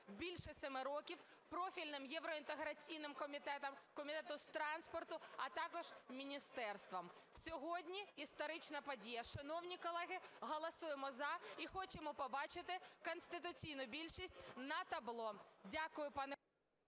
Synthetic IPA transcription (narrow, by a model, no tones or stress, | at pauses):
bʲilʲʃɛsɛmɪɾɔkʲiw | pɾɔfʲilʲnɪmjɛwɾɔint̪eɦɾɐt͡sʲijnɪmʲ | kɔmʲit̪ɛt̪ʊst̪ɾɑnspɔrt̪ʊɐt̪ɑkɔʒ̥mʲinʲist̪ɛrst̪ʋɔm | sʲɔɦɔdʲnʲiist̪ɔɾɪt͡ʃnɐpɔdʲijɐʃɐnɔwnʲikɔlˠɛɦɪɦɔlˠɔsujemɔzɐixɔt͡ʃemɔpɔbɑt͡ʃɪt̪ɪkɔnst̪ɪt̪̬ʊt͡sʲijnʊbʲilʲʃisʲtʲnɐt̪ɐblˠɔdʲakʊjʊpɑnɛ